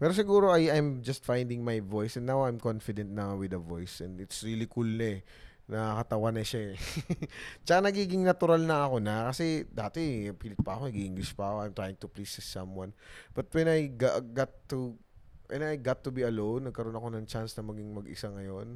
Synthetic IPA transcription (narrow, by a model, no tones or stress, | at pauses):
pɛːɾos̬ɪɡuːɾo̞ɐjajmd͡ʒɐst̪fajnd̪ɪŋmajvo̞jsɛ̃nːawajmkonfɪd̪ɛ̃nt̪̚nɐwɪd̪ɐvo̰jsɛnd̪ɪt̪sɹilikulnɐ | nɐkɐt̪ɐwanɐʃa | t͡ʃɐkanɐɡiːɡɪŋnɐt̪ʊɾalnɐɐko̞nɐkɐsɛd̪aːt̪ɛpiːlɪt̪̚pɐɐkonɐɡiʔɪ̃ŋɡlɪʃpɐɐkoajmt̪ɹajɪŋt̪ʊplisɪsɐmwɐnb̥ɐt̪̚wɛ̃najɡaɡat̪ːu | wɛ̰najɡat̪ːubiɐlõwnːɐɡ̚kɐɾo̞nɐko̞nɐŋt͡ʃansnɐmɐɡɪŋmɐɡʔɪ̰saŋɐjo̞n